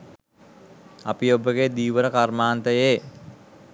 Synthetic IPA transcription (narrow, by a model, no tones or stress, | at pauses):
apiobəɡed̪iːʋəɾəkarmaːnt̪əjeː